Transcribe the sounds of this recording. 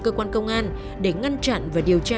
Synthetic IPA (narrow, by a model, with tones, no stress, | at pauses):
kəː˧kwaː˧nkə˧wŋ͡mʔaː˧n | ɗe˧˩ŋa˧nt͡ɕa̰˧˨nvaː˨˩ɗi˨˩əwt͡ɕaː˧